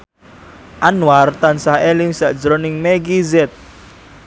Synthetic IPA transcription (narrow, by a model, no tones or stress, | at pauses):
ʔanwart̪ansaheliŋsaʔd͡ʒɾonɪŋmeɡizɛt̪̚